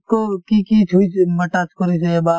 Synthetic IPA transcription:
kokikit͡ʃʰuit͡ʃmɐʈaːt͡ʃkoɾisebaː

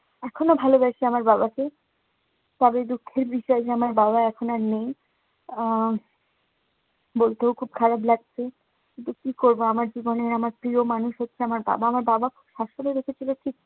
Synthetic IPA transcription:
ɛkʰonobʱalobɛɾʃʰiamaɾbabake | t̪ɔbed̪ukʰːeɾbiʃɔed͡ʑeamaɾbabaɛkʰonaɾnej | bolt̪ewkʰub̚kʰaɾablaɡ̚t͡ɕʰe | kint̪ukikoɾboamaɾd͡ʑiboneɾamaɾpɾiomanuʃɦotːɕʰeamaɾba̰baamaɾbabakʰubʃaʃoned̪ekʰet͡ɕʰiloʈʰik

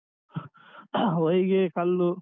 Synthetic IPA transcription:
ɔjɡekɐlːu

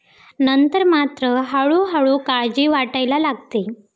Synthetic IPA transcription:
nənt̪əɾmat̪ɾəɦaɭuɦaɭukaɭd͡ʑiːʋaʈajlalaɡt̪e

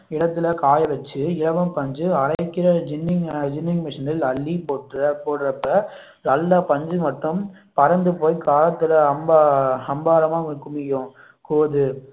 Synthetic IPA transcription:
ɪɽɐt̪ːɪlɐkaːjɐʋɛt͡ʃːɯɪɻɐʋɐmpɐɲd͡ʒɯɐɾɐɪkːɪɾɐd͡ʒɪnːɪŋd͡ʒɪnːɪŋmɪʂɪnɪlɐlːipoːʈːɾɐpoːʈɾɐpːɐ | nɐlːaːpɐɲd͡ʒɯmɐʈːɯm | pɐɾɐnd̪ɯpoːjkaːlɐt̪ːɯlɐɐmbaɐmbaːɾɐmaːʊkːɯmɪjõː | koːðɯ

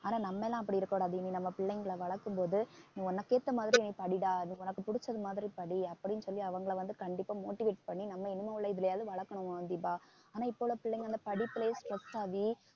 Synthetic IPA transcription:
aːnaːnɐmːɛlːãːɐpːɐɽiɪɾɯkːɐːɽaːðɯninɐmːɐpɪɭːɛŋɡɐɭɐʋɐɭɐkːɯmpoːðɯnĩːɔnːɐkːeːt̪ːɐmaːðɪɾiɛnːipɐɽɪɽaːnĩːɔnɐkːɯpʊɽʊt͡ʃːɐðɯmaːðɪɾipɐɽiɐpːɐɽɪnːɯsɔlːiɐʋɐŋɡɐɭʋɐnd̪ɯkɐɳɖɪpːaːmoːʈːɪʋeːʈ̚pɐɳːinɐmːɐɪnɪmɐɯɭːɐɪðɯlɐjaːðɯʋɐɭɐkːɐɳɯɐnd̪ibaː | aːnaːɪpːoʋɭoːpɪɭːɛŋɡɐɐnd̪ɐpɐɽipːɪleːsʈɾɐst̪aːʋi

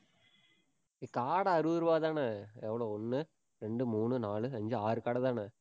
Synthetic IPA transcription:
ikaːɽɐɐɾuːɾʋaːðaːnɐɛʋːɐɭoːɔnːɯ | ɾeɳɖɯmuːnɯnaːɭɯɐɲd͡ʑɯaːɾɯkaːɽɐðaːnɐ

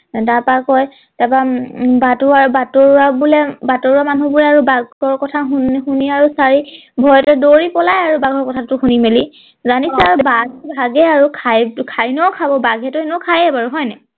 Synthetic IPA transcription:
taɹpakɔj | tababatuaɹubatoɹwabulɛbatoɹuamanubulɛaɹubaɡɔɹkɔtʰaɦuxuniaɹusaɹi | bʱɔjɔtɛdoɹipɔlajaɹubaɡʱɔɹkɔtʰatʊxunimeli | zanisɛaɹubaɡɛbʱaɡɛaɹukʰajkʰaɹinɔwkʰabɔbaɡʱɛtʊenukʰajɛbaɹuɦɔjnɛ

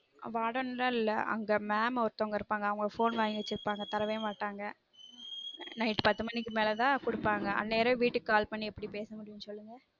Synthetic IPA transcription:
ʋaːɽɐnɾɐɪlːɐɐ̰ŋɡɐmaːmɔɾɯt̪ːoŋɡɐɪɾɯpːaːŋɡɐʋɐŋɡɐfoːnʋaːɡɐt͡ʃːɪɾɯpːaːŋɡɐt̪ɐɾɐʋɐjmaːʈːaːŋɡɐ | nɐɪʈpɐt̪ːɯmɐnːɪkːɯmeːlɛt̪ãːkʊɽɯpːaːŋɡɐɐ̰nːeːɾɐʋiːʈːɯkːaːlpɐɳːiɛpːɐɽipeːsɯmʊɽɪnːɯsɔlːɯŋɡɐ

